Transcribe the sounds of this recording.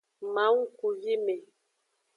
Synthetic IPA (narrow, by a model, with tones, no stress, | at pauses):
ma˨˦ŋ̩˦ku˨ji˦me˨